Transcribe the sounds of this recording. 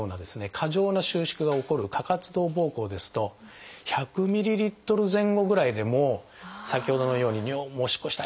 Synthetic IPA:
oːnad̪e̞sɨne̞kʰaʑo̞ːnaɕɨːɕi̥kɯ̟ɡao̞ko̞ɾɯ̟kʰakat͡sɨd̪o̞ːbo̞ːko̞ːd̪e̞sɨ̥t̪o̞çakɯ̟mʲiɾʲiɾʲit̪ːo̞ɾɯ̟zẽ̞ŋɡo̞ɡɯ̟ɾaid̪e̞mo̞ | sakʲiho̞d̪o̞no̞jo̞ːɲ̟iɲʲomoːɕi̥koɕi̥t̪a

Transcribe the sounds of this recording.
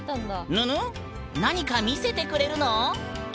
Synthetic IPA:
t̪ãnd̪anɯ̃ɯ̃ | naɲ̟ikamʲise̞t̪e̞kɯ̟ɾe̞ɾɯ̟no̞

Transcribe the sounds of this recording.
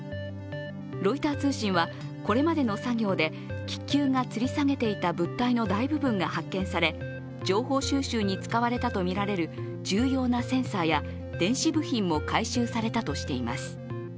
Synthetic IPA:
ɾo̞it̪aːt͡sɨːɕĩɰ̃βa | ko̞ɾe̞mad̪e̞no̞saɡʲo̞ːd̪e̞ | kʲi̥kʲːɨːŋat͡sɨɾʲisaŋe̞t̪e̞it̪abɯ̟t̪ːaino̞d̪aibɯ̟bɯ̟̃ŋɡahakːẽ̞ɰ̃saɾe̞ | d͡ʑo̞ːho̞ːɕɨːɕɨːɲ̟it͡sɨ̥kaβaɾe̞t̪at̪o̞mʲiɾaɾe̞ɾɯ̟ | d͡ʑɨːjo̞ːnasẽ̞ɰ̃saːja | d̪̥ẽ̞ɰ̃ɕibɯ̟çĩmːo̞kaiɕɨːsaɾe̞t̪at̪o̞ɕi̥t̪e̞ima̰sɨ̥

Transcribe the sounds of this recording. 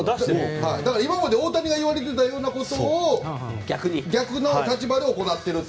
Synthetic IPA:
haid̪akaɾaimamad̪e̞o̞ːt̪aɲ̟ʲiɡaiβaɾe̞t̪̬e̞t̪ajo̞ːnako̞t̪o̞ːɡʲakɯɲiɡʲakɯ̟no̞t̪at͡ɕibad̪e̞oko̞nat̪ːe̞ɾɯ̟

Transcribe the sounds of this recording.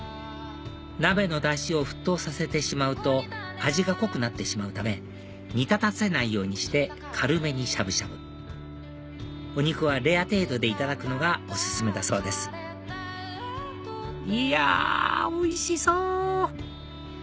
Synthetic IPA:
nabe̞no̞d̪aɕio̞ɸɯ̟̥t̪ːo̞ːsase̞t̪e̞ɕimaɯ̟t̪o̞ | aʑiɡako̞kɯ̟nat̪ːe̞ɕimaɯ̟t̪ame̞ | ɲ̟it̪at̪at͡sɨ̥e̞naijo̞ːɲ̟iɕi̥t̪e̞ | kʰaɾɯ̟me̞ɲ̟iɕabɯ̟ɕabɯ̟ | o̞ɲ̟ikɯ̟βaɾe̞at̪e̞ːd̪o̞d̪e̞it̪ad̪akɯ̟no̞ɡao̞sɨ̥sɨme̞t̪aso̞ːd̪e̞sɨ̥ | ia̰ | oiɕisoː

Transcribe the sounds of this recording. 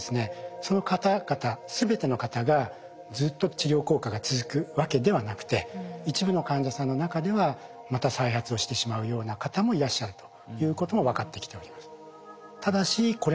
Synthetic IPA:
sɨne̞so̞no̞kat̪aɡ̥at̪asɨbe̞t̪e̞no̞kat̪aɡa | d͡zɨːt̪ːo̞t͡ɕiɡʲo̞ːko̞ːkaɡat͡sɨzɨkɯ̟βake̞d̪e̞βanakɯ̟̥t̪e̞it͡ɕibɯ̟no̞kãɲ̟d͡ʑasãnːo̞nakad̪e̞βa | mat̪asaiɦat͡sɨo̞ɕi̥t̪e̞ɕimaɯ̟jo̞ːnakat̪amo̞iɾaɕːaɾɯ̟t̪o̞̥ | jɯ̟ːko̞t̪o̞mo̞βakat̪ːe̞kʲi̥t̪e̞o̞ɾʲimasɨ̥ | t̪ad̪aɕiko̞ɾ

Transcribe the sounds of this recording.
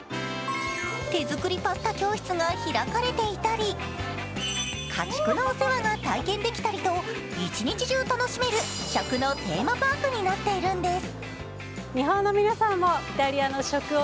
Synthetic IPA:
t̪e̞zɨkɯ̟ɾʲipasɨ̥t̪akʲo̞ːçi̥t͡sɨɡaçiɾakaɾe̞t̪e̞it̪aɾʲi | kʰat͡ɕi̥kɯ̟naose̞βaɡat̪aikẽ̞nd̪e̞kʲi̥t̪aɾʲit̪o̞ | it͡ɕiɲ̟it͡ɕiʑiot̪ano̞ɕime̞ɾɯ̟ɕakɯ̟not̪e̞̰ːmabakɯ̟ɲ̟inat̪ːe̞iɾɯ̟̃nd̪esɨ̥ | ɲiɦõ̞nːomʲinasãmːoi̥t̪aɾʲianoɕo̞kɯ̟

